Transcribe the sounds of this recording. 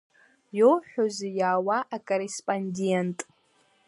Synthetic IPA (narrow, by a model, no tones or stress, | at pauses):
jowħʷᶣʊzijaːwaʔakʼorespʼondentʼ